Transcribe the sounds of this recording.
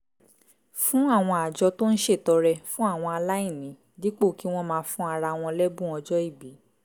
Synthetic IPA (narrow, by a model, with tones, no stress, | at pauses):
fũ˦a˦˨w̃ɔ̃˧a˨d͡ʒɔ˧to˦n̩˦ʃe˦˨tɔ˧ɾɛ˧fũ˦a˦˨w̃ɔ̃˧a˧la˦i˦˨nĩ˨˦ | di˦k͡po˦˨ki˨˦w̃ɔ̃˦˧mãː˧˦fũ˦a˧ɾa˧w̃ɔ̃˧lɛ˦bũ˦ɔ˧d͡ʒɔ˦i˦˨bi˨˦